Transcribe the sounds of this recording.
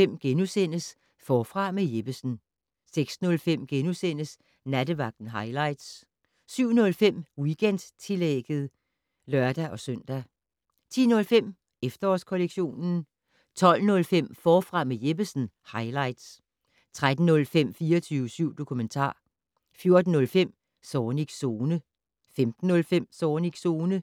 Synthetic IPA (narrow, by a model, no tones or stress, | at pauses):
em̰ɡ̥enusen̰əs | fɒːfʁɑ̈meje̝b̥əsn̩ | seɡ̥snɔ̽lfem̰ɡ̥enusen̰əs | næd̥əʋɑ̈ɡ̥d̥n̩ɦɑ̈ɪlɑ̈ɪd̥s | syʊ̰nɔ̽lfem̰wiɡ̥en̰d̥t͡sʰeleɡ̥ð̩ˠ | lɶɐd̥æʔɒ̽sœn̰d̥æ | t͡sʰḭːnɔ̽lfem̰ | efd̥ɐɒskʰoleɡ̥ɕo̝̰ːnn̩ | t͡sʰɒ̽l̰nɔ̽lfem̰fɒːfʁɑ̈mejeb̥əsn̩hɑ̈ɪlɑ̈ɪd̥s | t͡sʰʁad̥n̩ːɔ̽lfem̰fiːɐɒt͡sʰyːʊəsyʊ̰d̥o̝kʰument͡sʰɑ̰̈ː | fjo̝ɐd̥n̩ːɔ̽lfem̰ | sɒːniɡ̥so̝ːnə | femd̥n̩ːɔ̽lfem̰sɒːniɡ̥so̝ːnə